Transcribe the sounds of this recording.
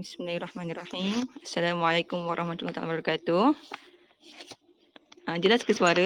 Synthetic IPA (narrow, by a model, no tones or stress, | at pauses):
bismilahrˤɑhmanirˤːɑħimasːalamʕalakʊmwaɾˤʔˤɑhmat̪ulat̪a̰lbabɾɔkat̪u | əd͡ʒəlaskəsuaɾə